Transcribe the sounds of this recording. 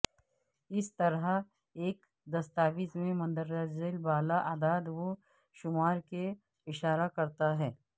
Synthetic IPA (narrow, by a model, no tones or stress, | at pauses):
ɪst̪ɐɾa | eːk | d̪ɐst̪aːbiːsmẽmɐ̃nd̪əɾːad͡ʒzelbaːlaʔaːd̪aːd̪ʋo | ʃʊmaːɾke | ɪʃaːɾakɐɾt̪aɦɛː